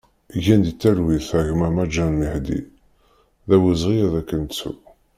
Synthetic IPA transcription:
ʝænd̪it͡sːæɾwiθʕəʝmæmæd͡ʒːænmiħd̪ḭ | ðæwizʁiðækːənt͡sːṵ

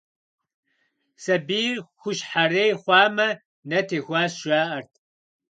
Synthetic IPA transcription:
sɐbiːrxʷʊʃħaɾeːjχʷɑːmɐ | nɐtʰeːxʷaːsʃʷaːʔɐrtʰ

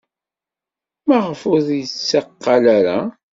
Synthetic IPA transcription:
mæʁəfʊɾjət͡sːaqːɑlaɾa

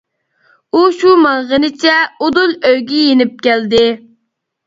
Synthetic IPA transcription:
uʃumɑʁənɪt͡ʃʰɛod̪ulˠøjɡʲijenɪp̚kʲæld̪ɪ

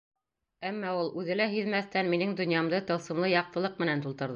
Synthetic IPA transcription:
æmːɑulˠʉðɘ̆læɦɵðmæθt̪ænminɘŋd̪ɵ̆njɑmd̪ɤt̪ɤ̆lˠsɤ̆mlˠɤjɑq̚t̪ɤ̆lˠɤq̚mɘ̆nænt̪ulˠt̪ɤ̆ɾðɤ

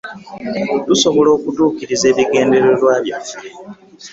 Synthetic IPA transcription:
tuso̞βo̞lo̞ːkutuːkiɾize̞ːβiɡe̞ːnde̞ɾolwaːβjafe

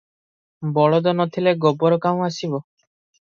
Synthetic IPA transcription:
bɔɭɔd̪ɔnɔt̪ʰileɡɔbɔɾɔkaũasibɔ

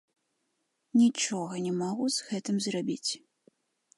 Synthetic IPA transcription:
nʲit͡ʂɔɣɐnʲɛmaɣuzɣɛt̪ɨmzrabʲit͡sʲ

